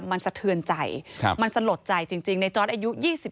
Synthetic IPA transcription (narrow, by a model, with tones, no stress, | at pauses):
ma˧nsa˧t̪ʰɯ˧ənt͡ɕa˨˩j̰ma˧nsa˧lo˨˩t̪̚t͡ɕa˨˩jt͡ɕi˨˧ŋt͡ɕi˧ŋna˧jt͡ɕɔː˦˥t̪ʔa˧ju˦˥jiː˥˩si˨˩